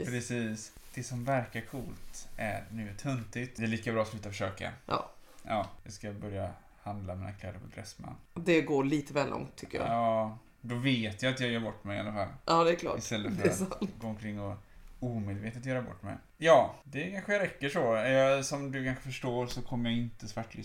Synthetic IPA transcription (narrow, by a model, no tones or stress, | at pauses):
pʰɾɛsiːsd̪̥ɛsɔmvæɾkaɾkʰuːlt̪ʔæɾnʉ̟ːt̪ʰɵnt̪ɪt̪d̪ɛːɭiːkabɾɑːslʉːt̪afœʂøːka̰ʔɑ̰ːʔɑːjɑskabœɾja̰ | hand̪lamiːnakʰlɛ̰d̪əɾpʰɔd̪ɾɛsːma̰nːd̪ɛɡoːɭiːt̪əvɛːlʔɔ̰ŋt̪ʰːʏ̥kːəjɑ̰ːɑː | d̪ɔveːt̪jaat̪jɑːɡjœːɾbɔʈːmɛja̰lːafalːʔɑːd̪ɛkʰlɑ̰ːɪst̪ɛlːəffœɾasaɡoːɔmkʰɾɪŋːɔuːmeːd̪veːt̪ət̪jœːɾabɔ̰ʈːmɛ̰j | jɑːd̪ɛkʰanɧəjɾɛkːəʂɔɛjɑsɔmd̪ɵkʰanɧəfœʂʈoːɾsɔkʰɔmːəjɾjaɪnt̪əsvaʈːlʏ